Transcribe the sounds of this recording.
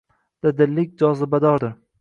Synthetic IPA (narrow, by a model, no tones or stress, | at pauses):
d̪̥ɪd̪ɪlːɪkʲd͡ʒɒzɪbad̪ɒɾd̪ɪ